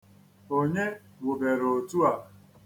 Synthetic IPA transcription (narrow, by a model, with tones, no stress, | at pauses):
o˦ɲe˦ | wʊ˨be˨ɾo˨tu˦a˨